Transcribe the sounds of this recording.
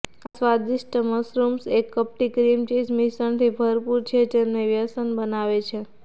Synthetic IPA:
asʋad̪iʃʈəməsɾumsekːəp̚ʈikɾimt͡ʃismisəɳt̪ʰibʱəɾpuɾt͡ʃʰet̪emneʋjəsənbənaʋet͡ʃʰe

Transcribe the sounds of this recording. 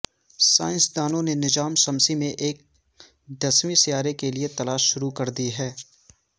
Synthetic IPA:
sa̰ːɪ̃nsd̪aːnõnenɪd͡ʒaːmsɐmsimẽʔeːk̚ | d̪ɐsmisijaːɾekeliet̪ɐlaːʃːʊɾukɐɾd̪iɦɛː

